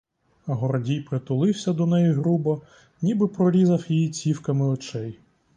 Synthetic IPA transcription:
ɐɦɔɾɔdʲijpɾɪt̪ʊlˠɪwsʲɐd̪ɔnɛjiɦɾubɔ | nʲibɪpɾɔɾʲizɐfjijit͡sʲiwkɐmɪɔt͡ʃɛj

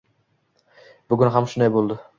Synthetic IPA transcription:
b̥ʊɡʲʊnɦamʃʊnd̪ajbolˠd̪ɪ

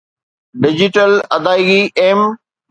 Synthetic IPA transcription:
ɖɪd͡ʑɪʈəlɐd̪aːiɡiʔeːm

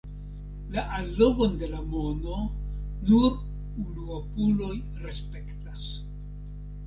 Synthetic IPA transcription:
laʔalːo̞ɡo̞nde̞lamono̞ | nu | unuopulo̞j | ɾe̞spe̞ktas

